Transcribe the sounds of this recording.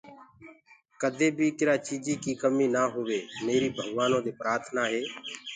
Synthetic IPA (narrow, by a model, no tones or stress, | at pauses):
kəd̪ʱeːbʱiːkɪɾaːt͡ʃiːd͡ʒiːkiːkəmiːnaːɦʊʋeːmeːɾiːbʱəɡʋaːnõːd̪eːpɾaːɾt̪ʰnaːɦeː